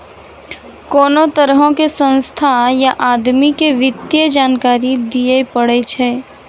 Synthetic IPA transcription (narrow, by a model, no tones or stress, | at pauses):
koːnot̪əɾɦõkesə̃nst̪ʰajaʔaːd̪mikeʋɪd̪jəd͡ʒaːnkaːɾid̪ijepəɽet͡ʃʰɛː